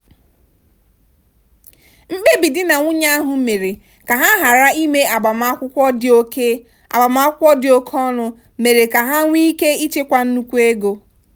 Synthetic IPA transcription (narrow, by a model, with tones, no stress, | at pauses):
ŋ͡m̩˦ɡ͡be˦bi˨dɪ˦na˨ŋʷʊ˦ɲa˦a˦ɦʊ˨me˨ɾe˨ | ka˨ɦa˦ɦa˨ɾa˦i˦me˦a˨ba˨ma˦kʷʊ˦kʷɔ˦do˦ke˦ | a̰˨ba˨ma˦ʊ˦kʷɔ˦dɪ˨o˦kʰɔ˦nʊ˨ | me˨ɾe˨ka˨ɦa˦ŋʷi˦ke˦i˦t͡ʃe˦kʷa˦n̩˦nu˦kʷu˦e˦ɡo˦